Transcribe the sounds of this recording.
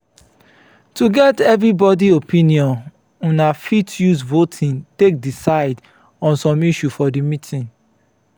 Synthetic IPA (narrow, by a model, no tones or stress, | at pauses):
tuɡɛtɛvɾibɔdiopĩniɔ̃n | ũnafitjusvotʰĩntek̚disaɪd | ɔ̃nsɔ̃miʃufɔdimitʰĩn